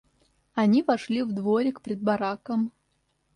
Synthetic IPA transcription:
anʲivaʂlʲivd̪voɾʲɪkpʲɾʲɪd̪̚baɾakəm

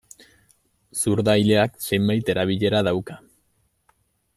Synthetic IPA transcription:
suɾðajle̞akse̞jmbajt̪e̞ɾaβ̞iʎe̞ɾaðawka

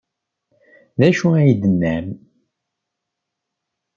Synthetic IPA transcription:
ðæʃuæjid̪ənːæm

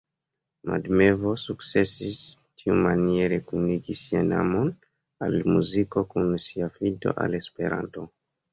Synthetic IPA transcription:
ma̰dme̞vo̞sukt͡se̞sis | tʰiumanieɾekuniɡisiana̰mo̞n | almuziko̞kunsiafido̞̰ʔa̰le̞spe̞ɾa̰nto̞

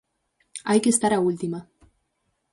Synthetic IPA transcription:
ajkest̪aɾault̪ima

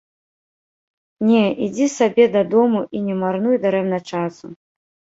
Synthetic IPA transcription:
nʲɛid͡zʲisabʲɛd̪ɐd̪ɔmuʔinʲɛmarnujd̪ɐɾɛmnɐt͡ʂasu

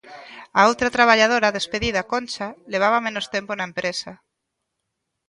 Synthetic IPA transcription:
aolt̪ɾat̪ɾaβ̞aʎað̞oɾaðespeðiðakonʲt͡ʃaleβ̞aβ̞amenost̪emponaempɾesa

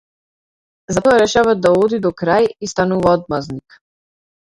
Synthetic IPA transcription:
zat̪ɔɾɛʃavad̪aod̪id̪ɔkɾajist̪anuvaɔd̪̚maznik

